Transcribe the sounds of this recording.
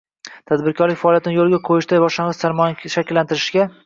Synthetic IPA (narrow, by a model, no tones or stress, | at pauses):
t̪ʰad̪bɪɾkʰɒɾlɪkʲfaɒːlˠjat̪ʰɪnɪjolɪɡʲaqʰojɪʃt̪ajbɒʃlaɴʁɨzsaɾmɒjaʃakʲɪlːant̪ɪɾɪʃɡʲa